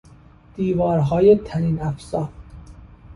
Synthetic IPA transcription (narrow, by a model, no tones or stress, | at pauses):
d̪̥iːvɒːɾɦɒːjet̪ʰæɾiːnæfsɒː